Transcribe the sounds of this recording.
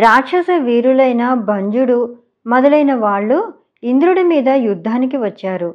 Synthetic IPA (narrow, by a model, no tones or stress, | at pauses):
ɾaːkʂɐsɐʋiːɾulɐjnɐbʱɐɲd͡ʒuɽu | mɐd̪ɐlɐjnɐʋaːɭːu | ind̪ɾuɽumiːd̪ɐjud̪ʱːaːnikiʋɐt͡ʃːaːɾu